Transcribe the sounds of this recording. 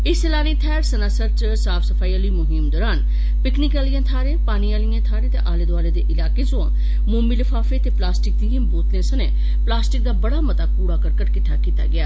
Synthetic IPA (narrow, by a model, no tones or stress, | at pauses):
ɪselaːnĩːt̪ʰɛːɾsənaːsəɾt͡ʃ | saːpʰsəpʰaːiːãːloiːmʊɦɪmd̪ɔːɾaːn | pɪknɪkaːlɪjãːt̪ʰaːɾẽːpaːniːaːlɪjãːt̪ʰaːɾẽːt̪ḛːʔaːleːd̪aːleːd̪eːʔɪlaːkeːzoã̰ː | mʊːmiːlɪfʰaːfeːt̪eːplaːsʈɪk̚d̪iːə̃ːboːt̪lẽːsənẽː | plaːsʈɪk̚d̪aːbəɽaːmət̪aːpuːɽaːkəɾkəɾkɪt̪ʰːaːkiːt̪a̰ːɡɪaː